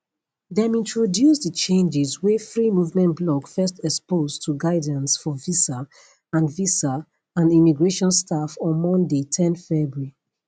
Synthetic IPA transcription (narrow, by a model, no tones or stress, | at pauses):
ðɛ̃mĩntʰɹodjusdət͡ʃẽnd͡ʒɪzwefɹimuvmɛ̃ntblɔkfɜstɛkspoztʰuɡaɪdãnsfɔvisa | ãnvisa | ãnimiɡɹeʃɔ̃nstʰafɔ̃nmɔ̃ndetʰɛ̃nθfɛbɹi